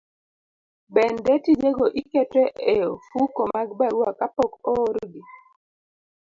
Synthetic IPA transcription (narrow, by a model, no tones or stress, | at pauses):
bɛndɛtid͡ʒeɡoʔikɛtɛʔeofukomaɡbaɾwakapɔkɔɾɡi